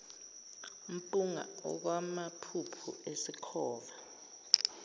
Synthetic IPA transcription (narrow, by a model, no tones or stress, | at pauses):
um̩pʼuŋa̰ɔ̰k̬wamapʰupʰuesikʰɔːva